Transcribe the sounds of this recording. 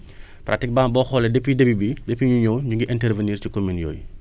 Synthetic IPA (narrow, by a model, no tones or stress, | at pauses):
prʔa̰tik̚baːmbɔxɔːlɛdepːidɐbibidepːiɲuɲɔːɲuŋɡiʔɛntɛrveniːrcikominjɔ̰ːj